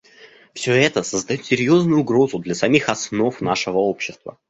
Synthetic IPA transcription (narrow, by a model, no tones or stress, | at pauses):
fsʲɵɛt̪əsəzd̪ɐjot̪sʲɪɾʲjo̞znʊjʊːʊɡɾo̞zʊd̪lʲɐsɐmʲixɐsno̞fnaʂɨvəopɕːɪst̪və̰